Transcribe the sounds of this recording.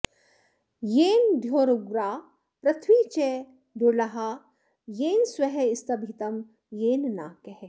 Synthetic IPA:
jeːnd̪ʱjoːɾuɡɾaː | pɾɐt̪ʰwiːt͡ʃe | d̪ulɐɦaː | jeːnswɐɦeɪst̪ɐbʱit̪ɐm | jeːnna̰ːkeɦ

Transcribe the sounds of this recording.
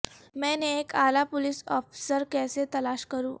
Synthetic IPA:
mɛ̃neːkalapoliːsɔ̰fi̥səɾkɛset̪əlaɕkəɾũː

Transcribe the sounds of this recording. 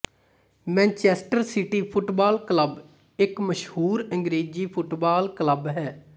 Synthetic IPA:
mɛ̃ːnt͡ʃɛːsʈəɾsɪʈiːpʰʊʈbaːlkləb | ɪkməʃhuːɾəŋɡɾeːd͡ʒiːpʰʊʈbaːlkləbɦɛː

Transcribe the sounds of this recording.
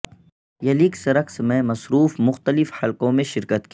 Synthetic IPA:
jɐliksɐɾəksmẽmɐsɾuːfmʊxt̪əlɪfhɐlkõmẽʃɪɾkət̪ki

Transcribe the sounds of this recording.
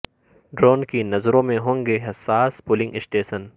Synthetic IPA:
ɖɾoːnkinɐzɾõmẽɦõːŋɡeːɦɐsaːspʊlɪ̃ŋɡɪsʈeːʃən

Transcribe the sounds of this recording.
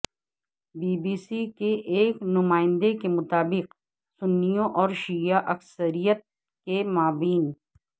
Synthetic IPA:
biːbiːsikeʔeːknʊmaːɪ̃nd̪ekemʊt̪aːbɪq | sʊnːijõʔɔːɾʃijaʔɐksəɾijət̪̚ | kemaːʋiːn

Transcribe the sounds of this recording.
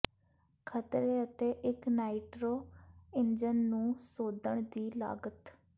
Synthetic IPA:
kʰət̪ɾeːət̪eːʔɪknaːiʈɾoːɪnd͡ʒənːũːsoːd̪əɳ̃d̪iːla̰ːɡət̪

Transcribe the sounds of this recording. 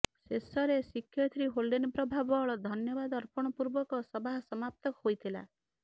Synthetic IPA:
sesɔɾesikʰːjɔt̪ʰɾiɦolɖinpɾɔbʱabɔɭɔd̪ʱɔnjɔbad̪ɔɾpɔɽ̃ɔpuɾbɔkɔsɔbaɦɔsɔmap̚t̪ɔkɔhojt̪ʰila̰

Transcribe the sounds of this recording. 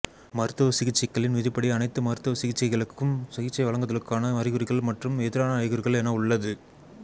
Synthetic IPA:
mɐɾɯt̪ːɯʋɐsɪɣɪt͡ʃːɐkːɐɭɪnʋɪðɪpːɐɽiɐnɐɪt̪ːɯmɐɾɯt̪ːɯʋɐsɪɣɪt͡ʃːɐɪɣɐɭɯkːɯmsɪɣɪt͡ʃːɐɪʋɐɭɐŋɡɐðɐlɯkːaːnɐɐɾɪɣɯɾɪɣɐɭmɐʈrɯmɛðɪɾaːnɐːɾɪɣɯɾɣɐɭɛnɐʊɭːɐðɯ

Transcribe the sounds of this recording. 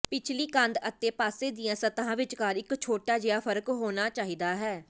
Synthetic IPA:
pɪt͡ʃʰliːkə̃nd̪ət̪ːeːpaːseːd̪ijãːsət̪ãːʋɪt͡ʃkaːɾɪkt͡ʃʰoːʈaːd͡ʒɪaːpʰəɾəkɦoːnaːt͡ʃaːɦiːd̪aːɦɛː

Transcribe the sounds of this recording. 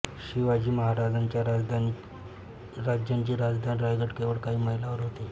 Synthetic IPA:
ɕiʋad͡ʑiːməɦaɾad͡zaɲt͡ɕjaɾd͡zd̪ʱan | ɾad͡ʑjaɲt͡ɕiːɾad͡zd̪ʱanɾajɡəʈkeʋəɽkaɦiːməɦilaʋəɾɦot̪e

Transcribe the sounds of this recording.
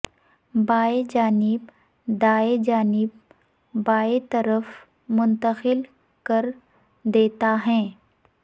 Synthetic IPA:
baːed͡ʒaːnɪb | d̪aːed͡ʒaːnɪb̚ | baːet̪ɐɾəf | mʊ̃nt̪əxɪl | kɐɾ | d̪eːt̪aɦɛ̃ː

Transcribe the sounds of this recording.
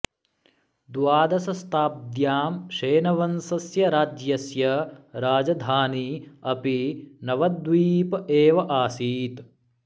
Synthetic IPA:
d̪waːd̪ɐsɐst̪aːp̚d̪jaːmʃeːnɐʋɐnsɐsjɐɾaːd͡ʒjɐsjɐɾaːd͡ʒɐd̪ʱaːniɐpinɐʋɐd̪ʋiːpɐeːʋɐʔaːsiːt̪

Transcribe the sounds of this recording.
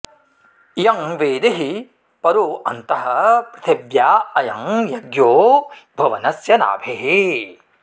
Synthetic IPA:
jɐŋʋeːd̪eɦi | pɐɾuɐnt̪ɐɦɐpɾɐt̪ʰebjaːɐjɐŋjɐɡjoːbʱɐʋɐnɐsjɐna̰ːbʱeɦe

